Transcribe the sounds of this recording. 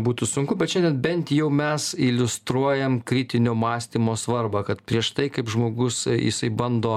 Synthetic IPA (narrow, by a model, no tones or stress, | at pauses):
buːt̪ʊsʊŋkʊbʲɛt̪ʃʲɛndʲɛnbʲɛnʲt̪ʲjɛʊmʲɛsɪlʲʊst̪ɾuɔjɛmkɾʲɪt̪ʲɪnʲoːmɑːsʲt̪ʲimoːsʋɐrbɐkɐt̪pʲɾʲiɛʃt̪ɐɪkɐɪpʒmoːɡʊsjɪ̰sɐɪbɐnd̪oː